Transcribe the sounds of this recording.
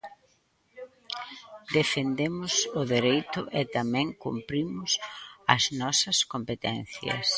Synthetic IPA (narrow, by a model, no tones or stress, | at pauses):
d̪efend̪emʊsʊðeɾejt̪ʊʔɛt̪amɛ̃ŋkumpɾimʊsɐznɔsɐskompet̪ɛnθjɐ̰s